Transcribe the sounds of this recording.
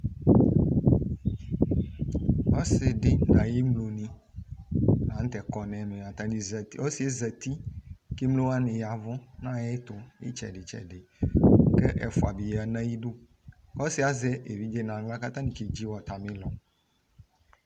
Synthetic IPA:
ɔ˦se˨ɖe˦nã˨je˦mlo˨nĩ˦ | nã˨ŋ̩˦t̪ɛ˨kɔ˨nɛ̃˨mẽ˨a˨t̪ã˨nĩ˨zo˦si˨e˦zɛ˨t̪i˦ke˦mlo˦a˦nẽ˨ja˨vɔ̃˦nã˦je˦t̪o˨ḛ˦t͡ʃɛ̰˨ɖe˨t͡ʃɛ̰˨ɖe˨ke˦ʔɛ˨fu˨a˨bi˨ja˨nɛ̃˦ji˦ɖo˦ | kɔ˦si˦a˨zɛ˦ʔe˨vi˦d͡ʒe˦nã˨˦ɡla˦ka˦t̪ã˦nĩ˨ke˨d͡ʑi˦wɔ˨t̪a˨mĩ˦lɔ˨

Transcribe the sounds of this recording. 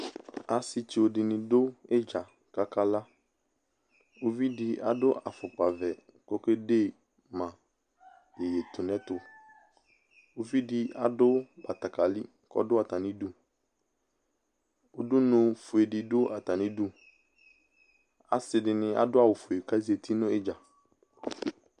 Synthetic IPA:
a˨sɪ˦t͡ʃi˨o˨dɪ˨nɪ̃˨dʊ˦ɛ˦d͡ʒa˨ | ka˦ka˦la˦ | o˦vi˦dɪ˨a̰˨dʊ˦a˨fʊ˨k͡pa˨vɛ˨ | kɔ˦ke˦deː˦˨ | mã˨ | e˨je˨tʊ˨nɛ̃˦tʊ˨ | o˦vi˦dɪ˦a˨dʊ˦ba˨ta˨ka˨li˦ | kɔ̰˦dʊ˦a˨ta˨nɪ̃˦du˦ | ʊ˦dʊ˦nʊ̃˦fʊ˨e˨dɪ˨dʊ˦ʔa˨ta˨nɪ̃˦du˦ | a̰˨sɪ˨dɪ˨nɪ̃˦a̰˨dʊ˦a˦˨wʊ˨fu˨e˨ka˦ze˨tʰi˦nʊ̃˦ɪ˦d͡ʒa˨

